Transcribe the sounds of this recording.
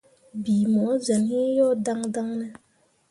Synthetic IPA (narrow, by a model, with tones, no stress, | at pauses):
bi˨mɔ˨˦zə˨nhi˦jɔ˦da˦ŋda˦ŋnɛ˦